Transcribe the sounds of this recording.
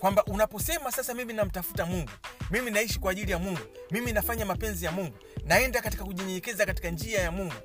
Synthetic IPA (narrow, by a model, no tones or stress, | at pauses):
kwambaʔunapɔsɛmasasamiminam̩tafu̥tamuŋɡumiminaiʃikwaːʄilijamuŋɡumiminafaɲamapɛnzijamuŋɡunaɛndakati̥kakuɲɛɲɛɲɛkɛzakati̥kand͡ʒiajamuŋɡu